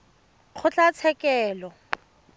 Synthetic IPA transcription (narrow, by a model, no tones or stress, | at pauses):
k͡xʰʊt͡ɬʼat͡sʰɛkɛːlɔ